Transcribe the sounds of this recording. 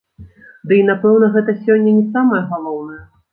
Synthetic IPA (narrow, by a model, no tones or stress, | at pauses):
d̪ɨin̪apɛwnɐɣɛt̪ɐsʲɔnʲːɐnʲɛsamɐjɐɣalˠɔwnɐjɐ